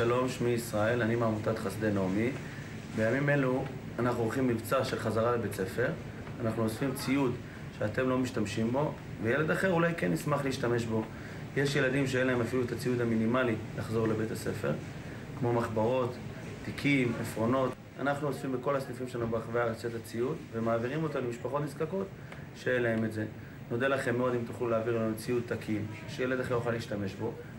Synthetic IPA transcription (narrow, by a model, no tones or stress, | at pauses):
ʃalo̞mʃmiisʁae̞lanimamut̪at̪χasd̪e̞nomi | bejamime̞lu | anaχnuolχimːivt͡saʃe̞lχazaʁalebet͡se̞fe̞ʁ | anaχnuosfimt͡siud̪ | ʃeate̞mlo̞miʃtamʃimbo̞ | vejele̞d̪aχe̞ʁulajkenːismaχleiʃtame̞ʃbo̞ | jeʃje̞ladimʃeenlae̞mafiluet̪at͡sijud̪aminimalilaχzo̞ʁlebetase̞fe̞̰ʁ | kmo̞maχbaʁo̞t̪ː | ikʰimafʁo̞no̞t | a̰naχnuozfimbeko̞laslifimʃeanubeaχveaʁat͡set̪at͡siutvemaːviʁimo̞t̪alemiʃpaχo̞tmiskako̞t̪ | ʃejelae̞me̞tze̞ | no̞delaχe̞mːeo̞dimt̪uχluleaːviʁlat͡siut̪ːakʰimʃejele̞d̪aχeʁjoχaliːʃtame̞ʃbo̞